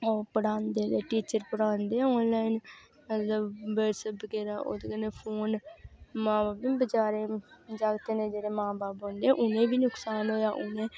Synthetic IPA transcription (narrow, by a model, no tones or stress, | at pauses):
oːpəɽãːnd̪eːd̪eːʈiːt͡ʃəɾpəɽaːnd̪ẽːɔ̃ːnlaːin | mət̪ləbːəːʈsəːpkeːɾaːʔo̰ːd̪ekənːeːpʰoːnmãːbaːpibət͡ʃaːɾẽːd͡ʒaːɡt̪eːnẽːd͡ʒeːɽeːmãːbaːpɦõːnd̪eɛ̃ʔʊnẽːbiːnʊksaːnɦoːjaːʔʊnẽː